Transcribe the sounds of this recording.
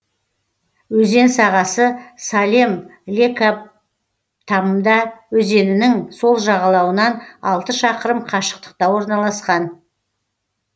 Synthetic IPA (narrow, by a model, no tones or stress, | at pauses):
wɵze̞nsɑʁɑsəsalʲe̞mlʲekap̚ | t̪ʰɑməmd̪ɑwɵze̞nɪnɪŋso̞lˠʒɑʁɑlˠɑwənɑnɑlˠt̪əʃɑqəɾəmqʰɑʃə̥qt̪ə̥q̚t̪ɑwo̞ɾnɑlˠɑsqɑn